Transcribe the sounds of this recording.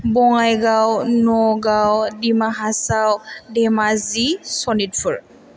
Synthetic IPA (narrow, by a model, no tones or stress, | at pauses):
bɔŋajɡawnɔɡawdimaɦasawdɛmazisɔnit̚fʰuɹ